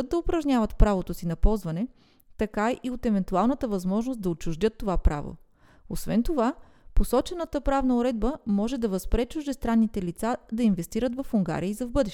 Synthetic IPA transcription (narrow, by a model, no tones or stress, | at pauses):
t̪d̪̚d̪ɐʊpɾɐʒnʲavət̪pɾavot̪osinɐpɔlˠzvɐnɛ | t̪ɐkaiʔiot̪ɛvɛnt̪ualˠnət̪əvɐzmɔʒnos̚d̪ɐot͡ʃʊʒd̪ʲjɤt̪ːovapɾa̰vo̰ | osvɛnt̪ova | posɔt͡ʃɛnət̪əpɾavnəʊɾɛd̪̚bəmɔʒɛd̪ɐvɐspɾɛt͡ʃʊʒd̪ɛst̪ɾanːit̪ɛlit̪sad̪ɐinvɛst̪iɾət̪vɐfuŋɡa̰ɾiəizɐvbɤd̪ɛʃ